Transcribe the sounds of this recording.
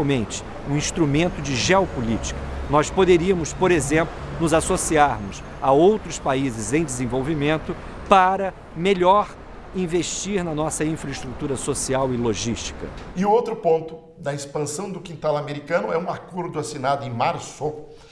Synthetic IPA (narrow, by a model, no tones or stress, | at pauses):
wmẽnt͡ʃɪ̥ | ũĩst̪ɾumẽnt̪ʊd͡ʒɪʒeopʊlit͡ʃi̥kɐnɔspod̪eɾiɐmʊspoɾezẽmplʊnʊzasosiaɾmʊs | aowt̪ɾʊspaizɪzẽj̃d͡ʒ̪ɪzẽvowvimẽnt̪ʊ | paɾɐ | meʎɔɾ | ĩveʃt͡ʃiɾnɐnɔsɐĩfɾɐɪst̪ɾut̪uɾɐsosiawɪloʒiʃt͡ʃi̥kɐ̰ɪʊowt̪ɾʊpõnt̪ʊ | d̪ɐɪspɐ̃sɐ̃w̃d̪ʊkĩnt̪alameɾikɐ̃nʊɛũaɾkuɾd̪ʊasinad̪ʊẽj̃maɾso